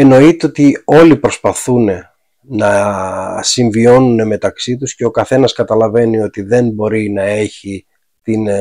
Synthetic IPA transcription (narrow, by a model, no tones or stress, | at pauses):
e̞no̞it̪eo̞t̪io̞lipɾo̞spɐθune̞ | nɐ | siɱvio̞nune̞me̞t̪ɐksit̪usce̞o̞kɐθe̞nɐskɐt̪ɐlɐve̞nio̞t̪iðe̞nbo̞ɾinɐe̞çi | t̪in